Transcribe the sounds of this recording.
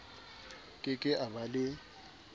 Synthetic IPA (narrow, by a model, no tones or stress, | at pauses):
kʼɪkʼɪʔabalɪ